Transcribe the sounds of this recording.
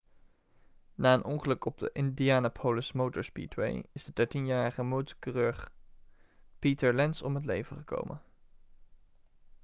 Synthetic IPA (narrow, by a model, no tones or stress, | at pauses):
naːənʔɔŋχəlɵkɔb̚də̰ʔɪndiaːnapʰowləsmowtəɹspḭtwḛjɪzd̥ədɛɹtinjaːɹəχəmowtəkərøɹχ | pitəɹlɛnsɔmɦətlejvəχəko̰wmʔə̰n